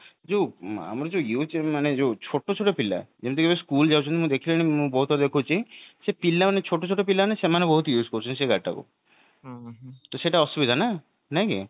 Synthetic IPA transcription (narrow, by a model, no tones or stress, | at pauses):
d͡ʒoa̰mɾod͡ʒojumaned͡ʒot͡ʃʰoʈːot͡ʃʰoʈopilːa̰d͡ʒemt̪ʰekebeskuld͡ʒawt͡ʃʰunmũd̪ekʰilenimũbɔɦut̪od̪ekʰut͡ʃʰiʃepilːamanet͡ɕʰoʈːot͡ʃʰoʈːopilːaniʃemanebɔɦut̪ojuːskoɾut͡ʃʰunʃeɡaʈʈʰːa̰ko̰ | t̪oʃeʈaɔʃubid̪ʱana | najki